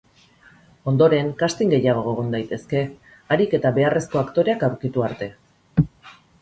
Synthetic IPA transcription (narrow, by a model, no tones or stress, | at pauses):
o̞nd̪o̞ɾe̞ŋkast̪iŋɡe̞jaɣ̞o̞ɣ̞o̞ɣond̪ajt̪e̞ske̞ | aɾike̞t̪aβe̞are̞sko̞akt̪o̞ɾe̞akawɾkit̪uaɾt̪e̞